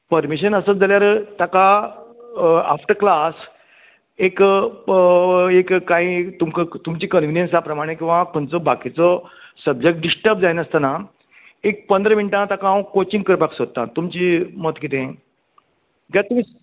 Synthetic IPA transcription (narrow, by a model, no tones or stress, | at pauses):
pəɾmiɕənəsəd͡zaljaɾət̪aka | a̰fʈəɾklas | ek | ekkːãɦĩt̪umkət̪umt͡ɕikənʋinjensapɾəmaɽ̃ekĩʋãkʰoɳt͡sɔbakit͡sɔsəb̚d͡ʑek̚ʈ̚ɖisʈəɾp̚d͡zajnəst̪ana | ek̚pənd̪ɾəmiɳʈãt̪akãkot͡ɕĩŋɡkəɾpaksod̪̚t̪ːã̰t̪umt͡ɕiːmət̪kit̪ẽ | ɡat̪um̤i